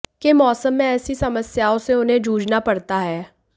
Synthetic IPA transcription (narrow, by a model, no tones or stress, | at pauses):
kemɔːsəmːẽɛːsisɐməsjaːõseʊnɦẽd͡ʒuːd͡ʒnapɐɽt̪aɦɛː